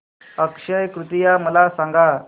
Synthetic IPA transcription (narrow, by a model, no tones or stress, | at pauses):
əkʂəjkɾut̪ijaməlasãŋɡa